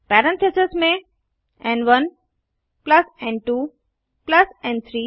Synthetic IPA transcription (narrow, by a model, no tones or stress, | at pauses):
pɛɾə̃nt̪ʰesesmẽ | ɛ̃nɖʋʌn | pləsɛ̃ɳɖ̚ʈuː | plɐsɛ̃ɳɖt̪ʰɾiː